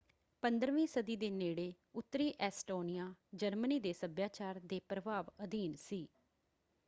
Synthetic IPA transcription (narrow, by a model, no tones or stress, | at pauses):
pənd̪ɾʋĩːsəd̪iːd̪eːneːɽeː | ʊt̪ːɾiːʔɛːsʈoːnɪjaːd͡ʒəɾməniːd̪eːsəbjaːt͡ʃaːɾd̪eːpɾəbaːʋəd̪iːnsiː